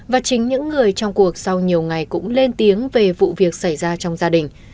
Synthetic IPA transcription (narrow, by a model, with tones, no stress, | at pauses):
vaː˨˩t͡ɕï˨˦ŋ̟ɲɨ̰˧˥ŋːɨ˨˩əjt͡ɕɔ˧wŋ͡mku˨˩ək̚sa˧wɲi˨˩əwŋa˨˩jkʊ̰˧˥ŋ͡mle˧nt̪i˨˦əŋve˨˩vṵ˧˨vi˨˩ək̚sa˧˩jzaː˧t͡ɕɔ˧wŋ͡mzaː˧ɗï˨˩ŋ̟